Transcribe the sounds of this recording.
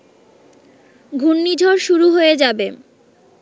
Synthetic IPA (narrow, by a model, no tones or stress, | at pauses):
ɡʱunːid͡ʑʱoɾʃuɾuɦoed͡ʑabe